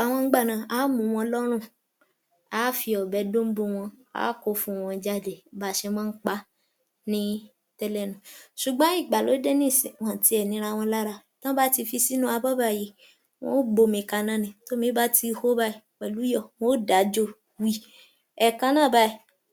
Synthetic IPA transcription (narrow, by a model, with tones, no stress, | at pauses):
a˨w̃ɔ̃˧ŋ̩˦ɡ͡ba˦˨nã˨a˨˦mũ˨˦w̃ɔ̃˧˦lɔ˦ɾ̃ũ˦˨ | a˨˦fi˧ɔ˨bɛ˨˦dõ˦m̩˦bo˧w̃ɔ̃˧a̰˨˦ko˧fũ˧˨w̃ɔ̃˧d͡ʒa˦˨de˨ba˨˦ʃɛ˧w̃ɔ̃˦n̩˦k͡pa˦ | nĩ˦ | tɛ˦lɛ˦˨nũ˨ʃu˨ɡ͡bã˦i˦˨ɡ͡ba˨lo˨˦de˦nĩ˦˨si˨wã˨ti˧˦ɛ˨nĩ˨˦ɾa˧w̃ɔ̃˧la˦ɾa˧tã˦ba˦ti˧fi˧si˦nũ˦a˧bɔ˦ba˦˨je˨ | w̃ɔ̰̃˦ɡ͡bo˧mĩ˧˨ka˧nã˦nĩ˧˨to˦mĩ˨˦ba˦ti˧ho˦ba˦i˦˨wɛ˨lu˨˦jɔ˦˨w̃ɔ̃˦da˨˦d͡ʒo˦ | wi˦ | ɛ˨kã˧nãː˦˨ba˧i˨